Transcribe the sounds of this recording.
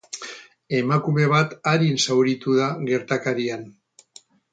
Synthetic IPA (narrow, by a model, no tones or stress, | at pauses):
e̞makume̞β̞at̪aɾinsawɾit̪uðaɣe̞ɾt̪akaɾian